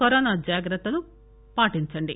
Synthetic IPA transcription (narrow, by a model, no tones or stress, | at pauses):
ɐɾoːnaːd͡ʒaːɡɾɐt̪ːɐlu | paːʈiɲt͡ʃɐɳɖi